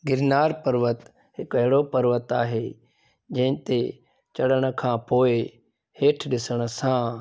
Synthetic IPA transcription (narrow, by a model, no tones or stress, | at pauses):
ɡɪɾnaːɾpəɾʋət̪ | ɦɪkʋəɦɽoːpəɾʋət̪aːɦeː | d͡ʒẽːnt̪e | t͡ʃəɽəɽ̃kʰãːpoːe | heːʈʰɗɪsəɽ̃sãː